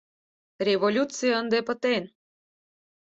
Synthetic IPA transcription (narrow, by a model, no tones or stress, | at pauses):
rʲevolʲut͡sɨjəənd̪epə̆t̪en